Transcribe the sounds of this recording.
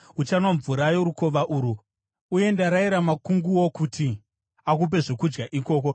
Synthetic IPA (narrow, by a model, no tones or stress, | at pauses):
ut͡ʃanwaɱvuɾajoɾuko̞ʋaʔuɾu | uje̞ndaɾaiɾamakuŋɡuwo̞kutʰi | ak̬up̬e̞ʐokud͡ʒɡaʔiko̞ːko̞